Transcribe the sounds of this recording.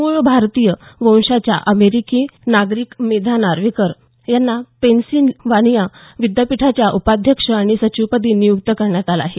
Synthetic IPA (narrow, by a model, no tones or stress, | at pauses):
muɭbʱaɾt̪ijəʋə̃w̃ʂat͡ɕja̰ʔəmeɾikinaɡɾiːkmed̪ʱanaɾʋikəɾ | janːapensiːnʋaɽ̃ijaʋid̪japiʈʰat͡ɕjaʔupad̪ʱjəkʂəaɽ̃isət͡ɕupəd̪iːnijukt̪əkəɾɳjat̪alaɦe